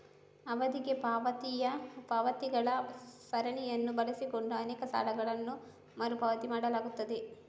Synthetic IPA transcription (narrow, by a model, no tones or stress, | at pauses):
ɐʋɐd̪iɡepaːʋɐt̪ijɐpɐʋɐt̪iɡɐɭɐsɐɾɐɳijɐnːubɐlisiko̞ɳɖuɐnɛːkɐsa̰ːlɐɡɐɭɐnːu | mɐɾupɐʋɐt̪imaːɽɐlaːɡut̪ːɐd̪e